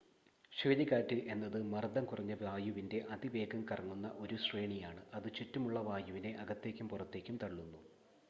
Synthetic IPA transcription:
ɕeːliɣaːtːɨʔe̞nːɐðɨmɐrd̪ɐmkurɐɲːɐʋaːjuʋinde̞ʔɐd̪iʋe̞ːɡɐmkɐrɐŋːunːɐ̰ʔo̞ɾuɕreːɳijaːɳɨʔɐðɨt͡ɕutːumuɭːɐʋaːjuʋine̞ʔɐɡɐt̪ːe̞ːkʲːumpurɐt̪ːe̞ːkʲːumt̪ɐɭɭːunːu

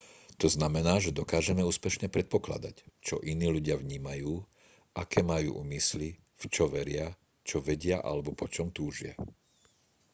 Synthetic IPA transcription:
t̪ɔznamɛnaːʒɛd̪ɔkaːʒɛmɛuːspɛʃɲɛpɾɛt̪̚pɔkla̰d̪act͡ʃɔʔiniːluɟɪaʋɲiːmajuː | ʔakɛːmajṵːʔṵːmisli | ft͡ʃɔʋɛɾɪa | t͡ʃɔʋɛɟɪaʔa̰lɛbɔpɔt͡ʃɔmt̪uːʒɪa̰

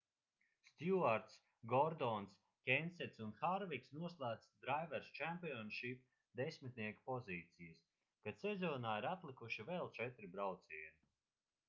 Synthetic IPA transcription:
st̪juaɾt̪s | ɡɔɾd̪ɔns | kʲensɛt̪ʲsunxaɾviksnuɔslˠæːt̪sd̪ɾajvɛɾst͡ʃæmpiɔnʃip | d̪esʲmit̪ʲniɛkpɔziːt̪sijɨs | kasezɔːnaːiɾat̪lˠikuʃivɛlˠt͡ʃɛt̪ɾibɾawt̪siːjuni

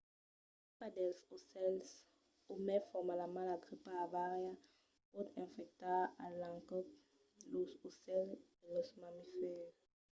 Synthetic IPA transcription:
padɛlsosɛls | omɛfɔmalamalaɡʁipaːvaʁja | pɔd̪ɛ̃nfɛk̚t̪aalãŋkɔp | lɔsosɛldelɔsmamifɛʁ

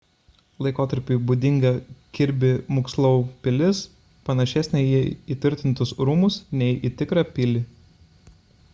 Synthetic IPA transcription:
lˠɐɪkoːt̪ɐɾʲpʲɪːbuːd̪ʲɪŋɡɐkʲɪɾʲbʲɪmʊkslˠɐʊpʲɪlʲɪs | pɐnɐʃʲɛsʲnʲɛɪjiɛiːˑt̪ʲʋʲɪɾʲt̪ʲɪnt̪ʊsɾuːmʊsnʲɛɪʔit̪ʲɪkɾɑpʲɪlʲɪ

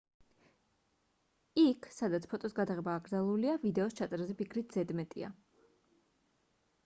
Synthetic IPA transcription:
ikʰsad̪at̪sʰpʰɔt̪ʼɔsɡad̪aʁɛbaːɡɾd̪alˠuliavid̪ɛɔst͡ʃʰat̪sʼɾazɛpikʰɾit̪ʰz̥ɛd̪mɛt̪ʼḭa̰

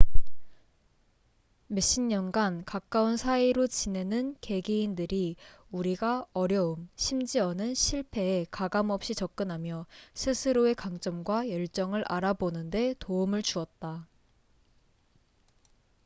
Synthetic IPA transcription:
me̞ɕ͈iɲːʌŋɡankak͈aunsʰaiɾot͡ɕine̞nɯnke̞ɡiindɯɾiuɾiɡaʌɾjʌumɕʰimd͡ʑiʌnɯnɕʰiɭpʰe̞ːkaɡamʌp̚ɕ͈it͡ɕʌk̚k͈ɯnɦamjʌsʰɯsʰɯɾoe̞kaŋt͡ɕ͈ʌmɡwajʌɭt͡ɕ͈ʌŋɯɾʔaɾabonɯnde̞toumɯɭt͡ɕuʌt̚t͈a

